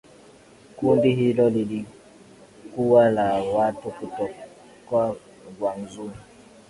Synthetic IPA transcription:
kundihilɔlili | kuwalawatukutɔ | kwa | ŋɡwanzuɾi

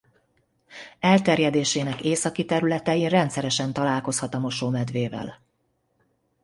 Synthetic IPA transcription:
ɛlt̪ɛrjɛd̪eːʃeːnɛkeːsɒkit̪ɛɾylɛt̪ɛjirɛnt̪sɛɾɛʃɛnt̪ɒlaːlko̞shɒt̪ɒmo̞ʃoːmɛd̪ʋeːvɛ̰l

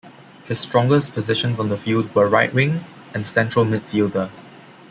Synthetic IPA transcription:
hɪsːtɹɔ̃ŋɡəspɔzɪʃə̃nsɔ̃ndəfild̚wəɹaɪʔɹɪ̃ŋ | ɛ̃nsɛ̃ntɹəlmɪt̚fildə

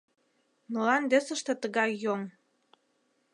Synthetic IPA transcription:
mɤlɑnd̪esə̆ʃt̪ĕt̪əɣɑjjoŋ

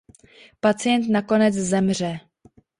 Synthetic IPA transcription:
pat͡sɪjɛnt̪̬nako̞nɛt͡szɛmr̝ɛ

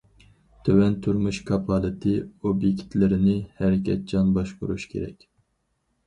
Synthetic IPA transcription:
t̪ʰøwɛnt̪ʰuɾmuʃkʰɑpʰɑlˠɨt̪ʰɨobjekʲt̪lɪɾɪnɪhɛɾɪkʲʰɛt̪̚d͡ʒɑnbɑʃqoɾuʃkʲʰḛɾɛ̰kʲ

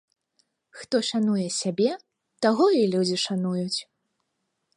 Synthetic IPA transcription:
xt̪ɔʂanujɛsʲabʲɛ | t̪aɣɔilʲud͡zʲiʂanujut͡sʲ

